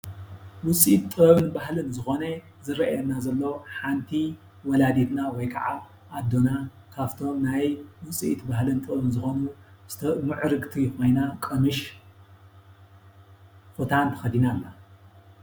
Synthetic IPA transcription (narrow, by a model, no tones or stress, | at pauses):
wʊsʼit̪t̪ʼːɨβɨnbahlɨnzɨxo̞nɐ | zɨɾɐʔɐnazɐlːoħant̪ʰi | wɔlad̪et̪nawɔjkʰa̰ʕa | ʔad̪o̞na | kʰaft̪ʰo̞mnajwʊt͡sʼḭʔit̪bahlɨnt̪ʼɨββɨnzɨxonuz̥ɨ̥t̪ʰɐmɨʕɾɨɡt̪ʰixojnakʼɐmɨʃ | xut̪ʰant̪ʰɐ̥xɐd̪inalːa